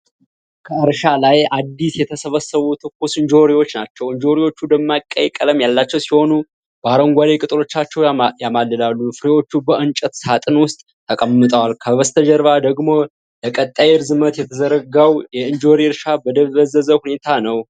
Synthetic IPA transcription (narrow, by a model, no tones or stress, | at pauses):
kʰəɨɾʃalajad̪ːisjɛt̪ʰəsəβəsəβut̪ʰɨkːusɨnd͡ʒoɾiwo̞t͡ʃːnat͡ʃːɛwɨnd͡ʒoɾiwo̞t͡ʃːud̪əmːakʼːəjkʼːələmjalːat͡ʃːɛwsiho̞nu | bəaɾəŋɡʷalekʼɨt̪ʼɨɾo̞t͡ʃːat͡ʃːɛwjamalːɨlalːufɨɾewo̞t͡ʃːubəʔɨnt͡ʃʼət̪sat̪ʼɨnwʊst̪ʼ | t̪ʰːəkʼəmːɨt̪ʼəwalkʰəβəst̪ʰəd͡ʒəɾβad̪əɡmo̞ | ləkʼət̪ʼːajeɾzɨmət̪jɛt̪ʰəzəɾəɡawjɛɨnd͡ʒoɾiɾʃabəd̪əβəzəzəhune̞t̪ʰanəw